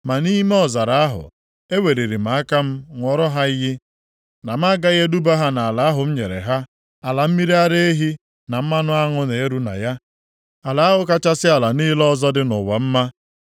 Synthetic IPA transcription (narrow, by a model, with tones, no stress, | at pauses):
ma˨ni˦me˦ɔ˨za˨ɾa˨˦a˦ɦʊ̰˨ | e˦we˨ɾe˨ɾi˨ma˨a˦ka˦m̩˦ŋʷɔ˨ɾɔ˦ɦa˦i˦ɦi˦ | na˨m˦a˦ɡa˦ɣe˦du˦ba˦ɦa˦na˨a˨la˨˦a˦ɦʊ˨m̩˦ɲe˨ɾḛ˨ɦa˦ | a˨la˨m̩˦mi˦ɾi˦a˦ɾe˦e˦ɦi˦ | na˨m̩˦ma˦nʊ˦a˦ŋʊ˦ne˨e˦ɾu˦na̰˨ja˦ | a˨la˨˦a˦ɦʊ˦ka˦t͡ʃa˦sɪ˦a˨la˨niː˦lɔ˦zɔ˦dɪ˦nʊ̰˨wa˨m̩˦ma˦